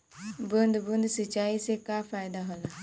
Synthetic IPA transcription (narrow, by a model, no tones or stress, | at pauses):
bənd̪bund̪sit͡ʃaisekafajd̪aɦɔla